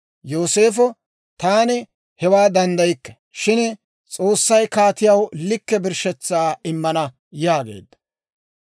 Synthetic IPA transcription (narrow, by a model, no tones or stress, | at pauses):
jo̞ːse̞ːfɔ | t̪aːnɛ | hɛwaːd̪ɐnd̪ɐjɪkːɐ̥ | ʃɪn | t͡sʼo̞ːsːɐjkaːt̪ɪjɐwlɪkːɛbɪɾʃɛt͡sːaːɪmːɐnɐ | jaːɡe̞̰ːd̪ːɐ̥